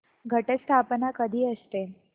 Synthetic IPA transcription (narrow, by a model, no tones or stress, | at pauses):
ɡʱəʈət͡st̪ʰapnakəd̪ʱiːəst̪e